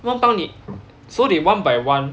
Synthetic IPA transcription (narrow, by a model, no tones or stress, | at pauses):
wanpaŋni | soɾiwanbajwan